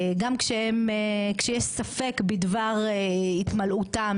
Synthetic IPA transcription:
ɡamkʃeemkʃejeʃsafe̞kbidvaʁeit̪malutam

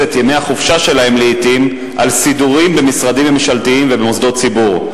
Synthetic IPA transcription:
et̪jemeaχufʃaʃe̞lahe̞mleit̪im | ʔalsid̪uʁimbemisʁadimemiʃalt̪iimvebemosd̪o̞tt͡sibuʁ

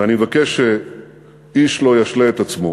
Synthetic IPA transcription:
animevakeʃːe | iʃlo̞jaʃleet̪at͡smo

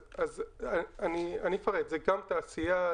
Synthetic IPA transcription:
azaanianifaʁed̪zeɡamt̪aːsija

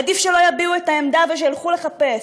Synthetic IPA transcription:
ad̪ifʃelo̞jabiuet̪aemd̪aveʃ̬ejalχule̞χape̞s

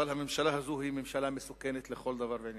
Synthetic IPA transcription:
alhamemʃalaɦazohimemʃalamesukenet̪leχo̞ld̪avaʁveʕnj

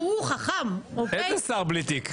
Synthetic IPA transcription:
uχaχamoezesaʁblit̪ik

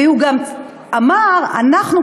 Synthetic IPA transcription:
euɡam | amaʁa̰naχnu

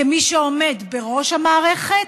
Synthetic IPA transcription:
emiʃeome̞d̪be̞ʁo̞ʃhamaːʁeχet

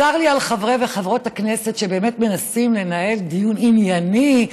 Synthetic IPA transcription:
aʁlialχavʁeveχavʁo̞thaknesetʃebe̞ːmetme̞nasimle̞nae̞ldijuninjani

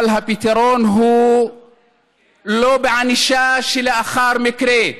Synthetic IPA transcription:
lɦapit̪eɾoːnɦuː | loːbʕaniʃaːʃɪlaʔaxɑːɾˤmɪkɾeː

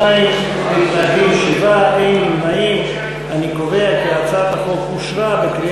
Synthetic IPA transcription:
ai | mit̪labimeʃivabejnilmaim | anikove̞akiat͡satakolkuʃvabekɾi

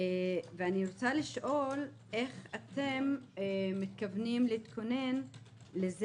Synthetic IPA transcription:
veaniɾot͡saliʃʔo̞l | ʔe̞χat̪emmːit̪kavnimleit̪kʰo̞ne̞n | lez

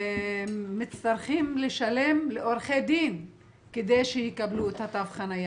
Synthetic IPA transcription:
mit͡st̪aɾχimleʃale̞mleʔoɾχed̪in | ked̪ejʃejikabluet̪hat̪avχanaja

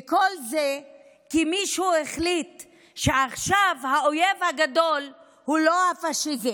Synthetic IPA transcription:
kolze | kimiʃueχlit̪ | ʃeaχʃavhaojevhaɡado̞l | hulo̞afaʃivi

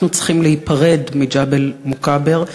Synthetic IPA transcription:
nut͡si̥χimlehipaʁedmid͡ʒabelmokabeʁ

